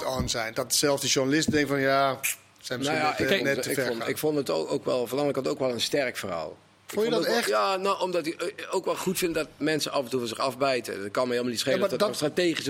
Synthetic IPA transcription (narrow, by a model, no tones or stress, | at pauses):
tɔnzɛjndɔtsɛlˠsdəʒurnalɪstdɛŋkfɔnja | sɛjmnojaɪɛɪknɪkfɔndəto̰owkʋɛ̰lˠfɔnɑŋəkɔntowkʋɛlˠənstɛrkfəra̰ːlˠ | ɪktɛjaːnowɔmdɑtɪowkʋɛlˠχutfɪntdɔtmɛnsəʔɑvəntuvɔnzɪχɑfbɛjtə̰t̚kɑnmɛhelˠmanitsχelədɔtsstrateːχis